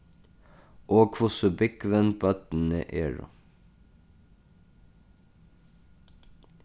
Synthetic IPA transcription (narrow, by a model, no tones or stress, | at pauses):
ʔoːkʰʋʊsʉbɪkʋənbɑt̪n̩ə̰ʔḛːɹʊ̰